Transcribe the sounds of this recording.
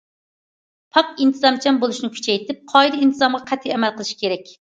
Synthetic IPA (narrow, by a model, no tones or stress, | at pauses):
pʰɑqint̪ʰɨzɑmt͡ʃʰɛmbolˠuʃnɪkʲʰy̥t͡ʃʰɛjt̪ɪp̚qʰɑjd̪int̪ʰɨzɑmʁɑqʰɛt̪ʰːiɛmɛlˠqʰəlˠɨʃi̥kʲʰeɾɛk̚ʲ